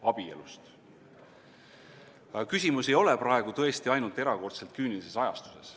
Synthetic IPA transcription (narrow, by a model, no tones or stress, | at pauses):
ɑb̥ie̞̰lust̪ | kysʲimuse̞jo̞lɛpɾɑe̞ɡ̥ut̪ɤ̞e̞st̪iɑjnult̪ˑe̞ɾɑko̞rt̪se̞lt̪̚kyːnilise̞sɑjɑ̰st̪u̥se̞s